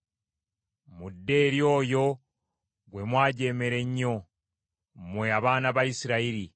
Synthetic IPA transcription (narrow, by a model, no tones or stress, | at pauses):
mudːe̞ːɾjo̞ːjo̞ | ɡwe̞mwaːɟe̞ːme̞ɾe̞ɲːo̞ | mwe̞aβaːnaβaisiɾaiɾi